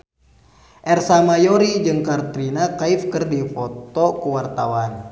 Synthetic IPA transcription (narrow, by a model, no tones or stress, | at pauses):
ʔɛrsamajɔɾid͡ʒɨŋkart̪ɾinakaifkɨrdifɔt̪ɔkuwart̪awan